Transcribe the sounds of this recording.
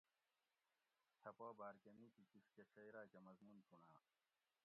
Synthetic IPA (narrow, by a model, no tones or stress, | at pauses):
t̪ʰɐpaːbaːɾkɐniːt̪ikiskekʰeːjɾaːkemɐzmunt̪ʰuɳaː